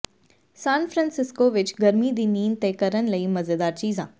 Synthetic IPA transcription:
sãːnfʰɾə̃ːnsɪskoʋɪt͡ʃɡɐɾmid̪iːniːnt̪eːkəɾənlɐimɐzed̪aːɾt͡ʃiːzã̰ː

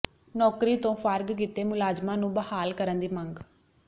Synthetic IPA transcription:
nɔːkɾiːt̪õːfʰəɾɡkit̪eːmʊlaːd͡ʒmãːnũːbəhaːlkəɾənd̪iːməŋɡ

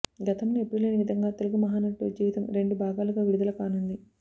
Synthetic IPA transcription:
ɡɐt̪ɐmːepɾilɐːniʋid̪ʱɐŋɡaːt̪e̞luɡumɐɦaːnɐʈːud͡ʒiːʋit̪ɐmɾe̞ɳɖubʱaːɡaːluɡaːʋiɽid̪ɐlɐkaːnund̪i

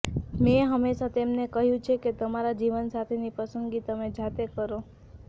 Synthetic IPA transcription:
meɦəmeʃat̪emnekəɦjũt͡ʃʰeket̪əmaɾad͡ʒiʋənsat̪ʰenipəsəŋɡit̪əmed͡ʒʱat̪ekəɾo

